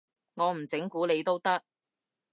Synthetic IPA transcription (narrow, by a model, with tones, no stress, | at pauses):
ŋɔː˨˧m̩˨˩t͡sɪ˨˥ŋkuː˨˥le˨˧jt̪o˥wt̪ɐ˥k̚